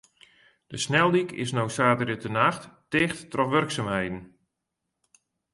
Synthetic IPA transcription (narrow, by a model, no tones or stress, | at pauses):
d̥əsnɛlˠdikʰɪ̰snowsaːtərdətənaxttɪːxttrɔfʋørksamhɛjdn̩